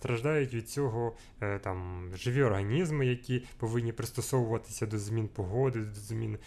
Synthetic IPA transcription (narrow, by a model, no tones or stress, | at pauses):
t̪ɾɐʒd̪ɑjʊtʲʋʲid̪̚t͡sʲɔɦɔ | t̪ɑmʒɪʋʲiɔrɦɐnʲizmɪjɐkʲipɔʋɪnʲːipɾɪst̪ɔsɔʋʊʋɐt̪ɪ̥sʲɐd̪ɔzmʲinpɔɦɔd̪ɪd̪ɔzmʲin